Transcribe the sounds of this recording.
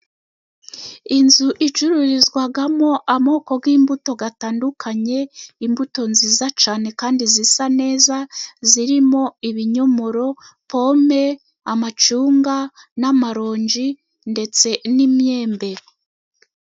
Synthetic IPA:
inzuʔit͡ʃuɾuɾizɡwaɡamo̞ʔamo̞ːko̞ɡiːmbuto̞ɡataːndukʰaɲe̞imbuto̞nziːzat͡ʃaːne̞kaːndizisane̞ːzaziɾimo̞iβiɲomuɾo̞ | po̞me̞ | amat͡ʃuːŋɡa | namaɾo̞ːɲd͡ʒi | nde̞t͡se̞nimjeːmbe̞

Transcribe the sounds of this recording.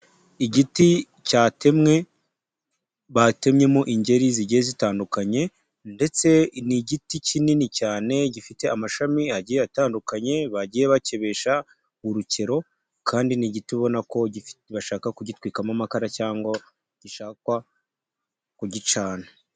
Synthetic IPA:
iɟiti | caːte̞mŋe̞ | βate̞mɲe̞moʔiɲɟe̞ɾiziɟijezitaːndukaɲe̞ | nde̞t͡se̞niɟiticininicaːne̞ɟifite̞amaʃamiaɟijejataːndukaɲe̞βaɟije̞βace̞βe̞ʃa | uɾuce̞ɾo̞ | kʰaːndiniɟitiβo̞nako̞ɟifiβaʃaːkakuɟitwiːkamamakaɾacaːŋɡo | ɟ̥iʃaːkwa | kuɟit͡ʃaːno

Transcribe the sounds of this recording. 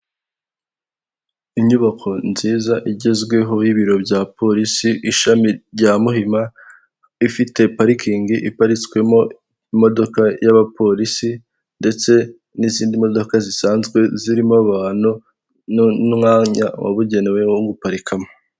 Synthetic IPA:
iɲuβakʰo̞nziːzaʔiɟe̞zɡwe̞ɦo̞jiβiɾo̞bɟaːpo̞ɾisiʔiʃamiɾɟaːmuhima | ifite̞paɾikʰiːŋɡiʔipaɾit͡swe̞mo̞ | imo̞do̞kajaβapo̞ɾisi | nde̞t͡se̞ | niziːndimo̞do̞kazisaːnzɡwe̞ziɾimoβaːnu | nmŋaːɲa̰wa̰βuɟe̞neweoŋɡupaɾikʰamo

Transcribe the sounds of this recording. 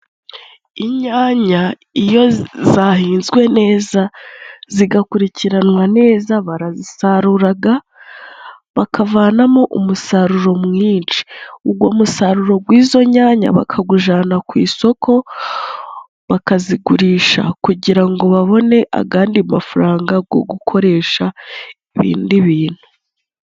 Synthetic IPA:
iɲaːɲa | ijo̞zahiːnzɡwe̞ne̞ːzaziɡakuɾicʰiɾanwane̞ːzaβaɾazisaɾuɾaɡa | βakʰavaːnamoʔumusaɾuɾo̞mŋiːnt͡ʃi̥uɡwo̞musaɾuɾo̞ɡwiːzo̞ɲaːɲa̰βa̰kʰaɡuʒaːnakwḭːso̞kʰo̞ | βakaziɡuɾiːʃa̰kuɟiɾaŋɡo̞βaβo̞ne̞ʔa̰ɡaːndiamafuɾaːŋɡaɡo̞̰ɡukʰo̞ɾe̞ːʃaiβḭːndiβiːn̥hu

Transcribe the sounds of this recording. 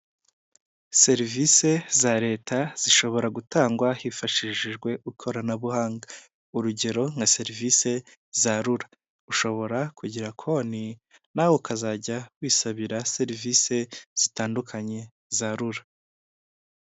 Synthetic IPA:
se̞ɾivise̞zaɾe̞ːtʰaz̥iʃo̞βo̞ɾaɡutaːŋɡwahifaʃiʒiʒɡwe̞ʔukʰo̞ɾanaβuhaːŋɡa | uɾuɟe̞ɾo̞ŋɡase̞ɾivise̞ | zaɾuɾḁ | uʃo̞βo̞ɾakʰuɟiɾakʰo̞ni | nawokʰazaːɟakwiːsaβiɾase̞ɾivise̞z̥itaːndukʰaɲe̞ | zaɾuɾa

